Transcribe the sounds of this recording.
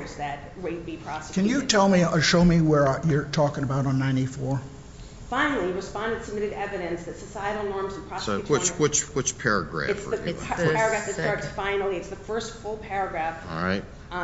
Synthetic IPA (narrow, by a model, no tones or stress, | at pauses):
zðɨt̚ɹeɪt̚b̥ipʰɹ̥ɑskʰɨ̃nnjɨtʰɛlˠmiʌʃoʊmiwə˞jə˞tʰɔkɪ̃ŋəbaʊɾn̩nãɪ̃ñifɔɹ | fãɪ̃nl̩ˠiɹɨspɑ̃ndɨ̃nsəmɪɾɨɾɛvɨɾɨ̃nsðɨtsɨsaɪɨɾl̩ˠnɔɹmzɨ̃npʰɹ̥ɑsɪt͡ʃwɪt͡ʃwɨt͡ʃpʰɛɹɨ̰ɡɹæ̰ɨtsðɨɛɹɨɡɹæfðɨtstɑɹtsfãɪ̃nl̩ˠiɨtsðɨfɜ˞stfʊlˠpʰɛɹɨɡɹæfa̰ɪt